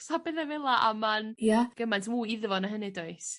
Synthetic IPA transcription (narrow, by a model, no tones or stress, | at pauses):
sabɪðɛvɛlˠaʔa̰manjaɡ̥əmajntʰmuːɪðvɔnaɦənɨdoɨs